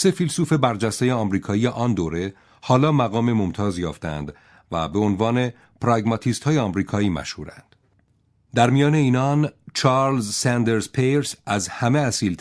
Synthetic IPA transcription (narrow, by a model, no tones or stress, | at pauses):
se̞filsuːfe̞bæɾd͡ʒæst̪ejeɒmɾiːkʰɒːijeʔɒnd̪oːɾe̞ | hɒːlɒːmæɣɒːmemo̞mt̪ʰɒːzjɒ̰ːft̪eæ̰nd̪ | væ̰beonvɒːne̞ | pɾɒɡmɒt̪ʰiːst̪hɒːjeɒmɾiːkʰɒːiːmæ̰ʃhuːɾæ̰nd̪̥ | d̪æɾmijɒːne̞iːnɒnt͡ʃʰɑːɾlzsænd̪eɾzpʰeɾsæzhæme̞æsiːlt̪